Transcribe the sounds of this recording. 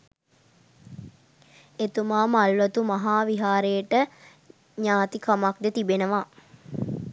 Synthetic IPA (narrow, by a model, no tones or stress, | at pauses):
et̪umaːmalʋət̪umaɦaːʋiɦaːɾejəʈə | ɲaːt̪ikamak̚d̪ət̪ibenəʋa